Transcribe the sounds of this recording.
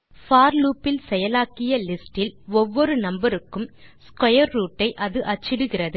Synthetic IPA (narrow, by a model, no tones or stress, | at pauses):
faːɾluːpːɪlsɛjɐlaːkɪjɐlɪsʈɪlɔʋːɔɾɯnɐmbɐɾɯkːɯmskɔjɐɾːuːʈːɐɪʔɐðɯʔɐt͡ʃːɪɽɯɣɪrɐðɯ